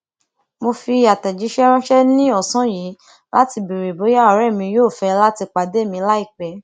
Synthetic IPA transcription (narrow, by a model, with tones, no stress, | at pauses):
mo˧fi˧˦a˨tɛ˨d͡ʒi˨˦ʃɛ˦ɾɔ̃˦ʃɛ˦nĩ˦ɔ˦˨sɔ̃˨˦jiː˨˦ | la˦ti˧bi˨ɾe˨bo˨˦ja˦ɔ˨˦ɾɛ˦˨mĩ˧joː˦˨fɛ˧la˦ti˧k͡pa˨de˦˨mĩ˧la˦i˦˨k͡pɛ˨˦